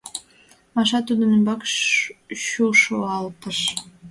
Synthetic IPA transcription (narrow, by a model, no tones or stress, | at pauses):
mɑʃɑt̪ud̪ənəmbɑk | ʃuʃoɑlt̪əʃ